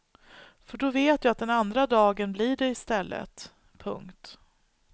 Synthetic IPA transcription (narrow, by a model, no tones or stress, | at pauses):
fœɖɔveːt̪jaːat̪̚d̪ɛnand̪ɾad̪ɑːɡənbliɖɛɪst̪ɛlːə̰t̪ | pʰɵ̰ŋkt̪